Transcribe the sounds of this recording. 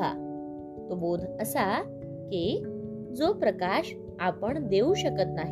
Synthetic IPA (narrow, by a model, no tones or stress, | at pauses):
a̰ | t̪obod̪ʱəsa | ke | d͡zopɾəkaɕ | apəɳd̪euɕəkət̪naɦ